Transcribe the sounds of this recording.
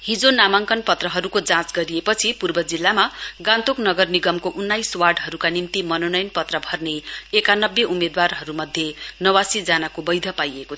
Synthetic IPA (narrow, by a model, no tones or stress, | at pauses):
ɦid͡zonamaŋkʌnpʌt̪rʌɦʌɾukod͡zãt͡sɡʌɾiepʌt͡sʰipurbʌd͡zilːamaɡãnt̪oknʌɡʌrniɡʌmkoʔunːajswarɖɦʌɾukanimt̪imʌnonʌjnpʌt̪rʌbʱʌrneːkanʌbːeʔumed̪warɦʌɾumʌd̪ʱjenʌwasid͡zanakobʌjd̪ʱʌpajeko